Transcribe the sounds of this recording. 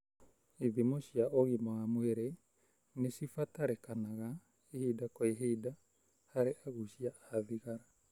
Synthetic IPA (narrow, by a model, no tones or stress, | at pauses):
iðimoɕjaoɣimoamweɾe | nesifataɾekanaɣa | ehidakoeɦeida | haɾeʔaɣuʃiaðiɣaɾa